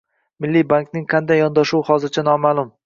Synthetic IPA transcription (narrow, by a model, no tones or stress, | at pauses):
mɪlːibaŋknɪŋqʰɑnd̪ajːɒnd̪ɒʃuhɒzɪɾt͡ʃʰanɒmaːlˠʊm